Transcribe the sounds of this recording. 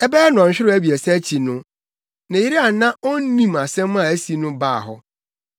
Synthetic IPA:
ɛ˦bɛ˦ɛ˦n˨ɔ̃˨ɕᶣɪ˦ɾæ˦bi˨ɛ˨sɛ˦t͡ɕʰi˨nʊ̃˦ | nã˨jɪ˦ɾi˦a˨nã˦ɔ˦n˦nĩ˦ma˨sɛ̃˦m̃˦a˨æ˦si˨˦nʊ̃˦baː˦˨ɦɔ˦

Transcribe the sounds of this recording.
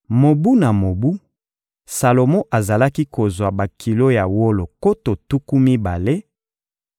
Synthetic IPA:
mo˨bu˦na˨mo˨bu˦ | sa˨lo˨mo˦ʔa˨za˨la˦ki˦ko˨zwa˨ba˨kʰi˨lo˦ja˨wo˦lo˨ko˦to˨tu˦ku˦mi˦ba˨le˦

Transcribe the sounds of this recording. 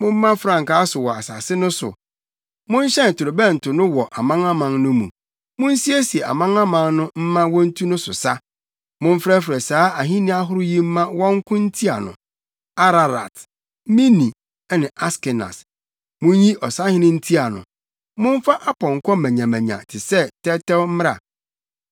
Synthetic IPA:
mʊ̃˦m̩ː˦ã˦fɾã˨ŋka˨˦sʊ˨wɔ˨a˨sa˨sɪ˦nʊ̃˦sʊ̰˨ | mʊ̃˦n̩˦ɕɛ̃˦n̩˨tʰʊ˨ɾo˨bɛ̃˦˨n̩˨tʰʊ˨nʊ̃˦wɔ˨ʔa˨mã˦ŋa˦mã˨nnʊ̃˦mṵ̃˨ | mʊ̃˦n̩˦si˦e˦si˨ɛ˨a̰˨mã˦ŋã˦mã˦nnʊ̃˦m̩˦mã˦wɔ̃˦n̩˦tʰu˦nʊ̃˦sʊ̰˨sa˦ | mʊ̃˦m̩˦fɾɛ˦fɾɛ˨saː˨˦a˨ɦĩ˦nĩ˦a˦ɦʊ˦ɾʊ˦ji˦m̩˦mã˦wɔ̃˦ŋ̩˦kʰʊ̃˦n̩˦tʰi˦a˨nʊ̰̃˨ | a˦ɾa˨ɾa̰˨t | mĩ˦nĩ˨ | ɛ˦nɪ̃˨ʔa˦skɪ˨na̰˨s | mʊ̃˦n˦ji˦ʔɔ˨sa˦hɪ̃˦nɪ̃˦n̩˦tʰi˦a˨nʊ̰̃˨ | mʊ̃˦ɱ˦fa˦ʔa˦pʰɔ̃˨ŋ̩˨kʷʰɔ̃˦mæ̃˨ɲã˨mæ̃˨ɲã̰˨tʰɪ˨sɛ˦tʰɛ˦tɛ˦wm̩˦m˦ɾa̰˨

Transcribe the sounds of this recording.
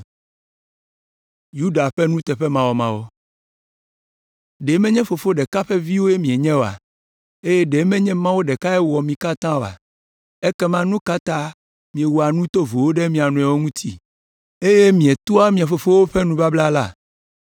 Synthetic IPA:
ju˦ɖa˨ɸɛ˦nũ˦t̪ɛ˨ɸɛ˦mã˨wɔ˨mã˨˦wo˦ | ɖe˨˦mɛ̃˦ɲɛ̃˦fo˨fo˦ɖɛ˨ka˦ɸɛ˦vi˦wo˦je˦mĩ˨e˨ɲɛ̃˦wo˨a̰˨ | e˦jɛ˦ɖe˨˦mɛ̃˦ɲɛ̃˦mã˦wo˦ɖɛ˨ka˦ɛ˦wɔ˨mĩ˨ka˦t̪ã˦o˨a̰˨ | ɛ˦kɛ˦mã˦nũ˦ka˦t̪ã˦ | mĩ˨e˨wu˨a˨nũ˦t̪o˦vo˨wo˦ɖɛ˦mĩ˨a˨nũ˨ɛ˨wo˦ŋũ˦t̪ʰi˦ | e˦je˦mĩ˨e˨t̪u˦a˦mĩ˨a˨fo˨fo˦wo˦ɸɛ˦nũ˦ba˦bla˦la˦˨

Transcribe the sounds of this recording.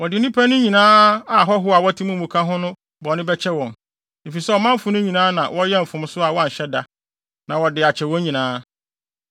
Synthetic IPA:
wɔ˨dɪ˨nĩ˦pʰæ˦nʊ̃˦ɲĩ˨nãː˦a˨ɦɔ˦ɦʊ˦a˨wɔ˦tʰi˦mũ˦mũ˨kʰã˦ɦʊ̃˦nʊ̃˦ | bɔ˨˦nɪ̃˦bɛ˦t͡ɕʰɛ˦wɔ̃˨n | e˨fi˨sɛ˦wɔ˨mã˦m̩˦fʊ̃˨˦nʊ̃˦ɲĩ˨nãː˦nã˨wɔ˦jɛ˦m̩˨fʊ̃˨m˦sʊ˦a˨wɔ˦a˨ɲ̩˨ɕɛ˦da˨ | nã˨wɔ˨dɪ˨a˨t͡ɕʰɛ˨wɔ̃˦ɲĩ˨nãː˦

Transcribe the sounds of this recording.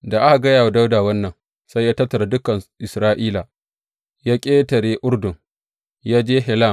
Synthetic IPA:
da˨ʔa˦ka˨ɡɐ˦jaː˨wa˨da˦wdaː˨wɐ˦nːɐ˨ŋ | sa˦jaː˦tɐ˦tːɐ˨ɾa˨dʊ˦kɐ˨nʔɪ˨sɾaː˦ʔiː˦la˨ | jaː˦kʲʼeː˦tɐ˨ɽeː˦ʔʊ˦ɾdʊ˨ŋ | jaː˦d͡ʒeː˦ɦɛ˨la˦˨

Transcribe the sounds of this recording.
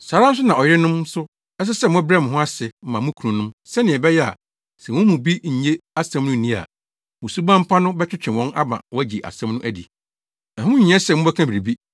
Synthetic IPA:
saː˨˦ɾa˦n˦s̬ʊ˦nã˨ɔ˨jɪ˦ɾɪ˦nʊ̃˦msʊ˦ | ɛ˦s̬ɛ˦sɛ˦˨mʊ̃˦bɾɛ˦m̃˨ɦʊ̃˦a˦sɪ˨m̩˦˨mã˨mʊ̃˦kʰu˨ũ˨nʊ̃˦msɛ˦nɪ̃˨ɛ˨bɛ˦jɛ˦a̰˨ | sɛ˨wʊ̃˦mũ˨bi˦ɲ̩˨ɲe˦a˦sɛ̃˦mnʊ̃˦˨nĩ˦˨a̰˨ | mʊ̃˨su˦bã˦m̩˦pʰa˦nʊ̃˦bɛ˦t͡ɕʰᶣɪ˦t͡ɕᶣʰɪ̃˨wɔ̃˦na̰˦bã̰˨wɔ˦æ˦d͡ʑi˨ʔa̰˨sɛ̃˦mnʊ̃˦ʔæ˦dḭ˨ | ã˨ɦʊ̃˦ʊ̃˦ɲĩ˨ɲ˦ɛ̃˦sɛ˨mʊ̃˦bɛ˦kʰã˦bi˨ɾi˨bi˦

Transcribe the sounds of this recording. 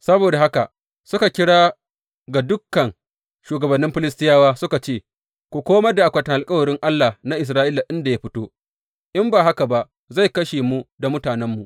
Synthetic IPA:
sɐ˦boː˨da˨ha˦ka̰˨ʔ | sʊ˦ka˨kʲɪ˦ɽaː˦ | ɡa˨dʊ˦kːɐ˨ŋ | ʃuː˨ɡɐ˨bɐ˨nːɪ˦mɸɪ˦lɪ˦stɪ˦jaː˦waː˦sʊ˦ka˨t͡ʃeː˦˨ | kʷu˨kʷoː˦mɐ˦rda˨ʔa˨kʷɐ˨tɐ˨ʔa˨lkʼɐ˦wɐ˨ɽɪ˦ŋʔa˦lːa˨na˦ʔɪ˨s̬ɾaː˦ʔiː˦la˨ʔɪ˦nda˨ja˦ɸɪ˦toː˦ | ʔɪ˦mbaː˨ɦa˦ka˨ba˦ʔ | za˦˨jkɐ˦ʃeː˨mu˦da˨mʊ˦taː˨nɛ˦mːu˨ʔ

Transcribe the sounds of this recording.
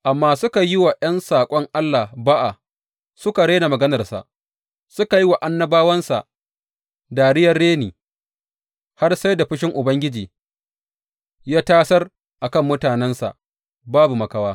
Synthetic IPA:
ʔa˨mːaː˦sʊ˦ka˨jɪ˦wa˨jɐ˦nsaː˨kʷʼɔ˦ŋʔa˦lːa˨hbaː˦ʔa˨ | sʊ˦ka˨ɽe˦na˨mɐ˨ɡɐ˦nɐ˨rsa̰˨ʔ | sʊ˦ka˨ji˦wa˨ʔa˦nːɐ˦baː˦wɐ˦nsa̰˨ʔ | daː˨ɽɪ˦jɐ˨rːeː˦niː˨ | ha˦rsa˦jda˨ɸɪ˦ʃ̬ɪ˦ŋʔʊ˨bɐ˦ŋɡʲɪ˦d͡ʒiː˨ | jaː˦taː˦sɐ˦r | ʔa˨kɐ˦mːʊ˦taː˨nɛ˦nsa̰˨ʔ | baː˦bu˨mɐ˨ka˦waː˦

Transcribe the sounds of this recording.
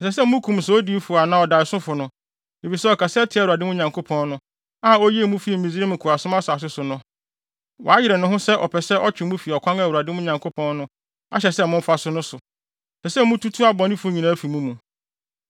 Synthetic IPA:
n˨s̬ɛ˨s̬ɛ˦mũ˦kʰũ˨msɛ˨˦o˦di˨˦fu˨a˨nã˨ɔ˨da˨sʊ̃˦fʊ˨nʊ̃˦ | e˨fi˨sɛ˦ɔ˨kʰa˨stʰɪ˨˦˨u˨a˨dɪ̃˦m̃˦ɲã˨ŋkʰo˦pʰɔ̃˦nnʊ̃˦ | a˦˨o˦ji˦e˦˨mũ˦fi˦e˨m̩˨mĩ˨zɾe˦mɪ̃˨kʰʊ˨ɾa˨sʊ̃˦mã˦sʊ˨a˨s̬ʊ˦sʊ˨nʊ̃˦ | wɔ̰˨a˦jɪ˨ɾɛ˨nʊ̃˦ɦʊ̃˦sɛ˦ʔɔ˨pʰɛ˨sɛ˦ʔɔ˦t͡ɕᶣɪ˨mũ˦fi˨ɔ˨kʷʰã˦ŋa˦˨wu˨a˨dɪ˦mʊ̃˦ɲã˨ŋkʰo˦pʰɔ̃˦nnʊ̃˦ | a̰˦ɕɛ˨sɛ˦mʊ̃˦m̩˦fa˦sʊ˦nʊ̃˦sʊ˨ | sɛ˨sɛ˦mũ˦tʰu˦tʰu˦a˦bɔ̃˨nɪ̃˦fʊ˨˦ɲĩ˨nã˨˦æ˦fi˨mũ˦mũ˨

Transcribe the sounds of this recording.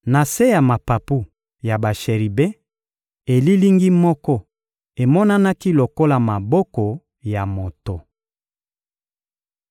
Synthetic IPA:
na˨se˦ja˨ma˨pa˨pu˦ | ja˨ba˨ʃe˨ʁi˨be˦ | e˨li˦li˦ŋɡi˦mɔ˦kɔ˦ | e˨mɔ˦na˦na˦ki˦lo˨ko˦la˨ma˨bɔ˦kɔ˨ | ja˨mo˨to˨

